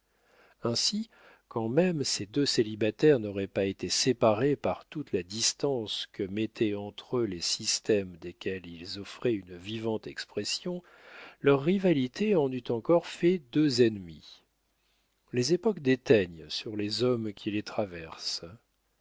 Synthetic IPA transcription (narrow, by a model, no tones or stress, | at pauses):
ɛ̃si | kʰɑ̃mɛmsed̪øselibat̪ɛʁnɔʁɛpaet̪esepaʁepaʁt̪ut̪lad̪ist̪ɑ̃skəmɛt̪ʰɛɑ̃t̪χølesist̪ɛmd̪ekʲɛlilzɔfχɛynvivɑ̃t̪ɛkspχɛsjɔ̃ | lœʁːivalit̪ʰeɑ̃nyt̪ɑ̃kɔʁfɛd̪øzɛnmi | lezepɔkd̪et̪ɛɲsyʁlezɔmkʲʰilet̪χavɛʁs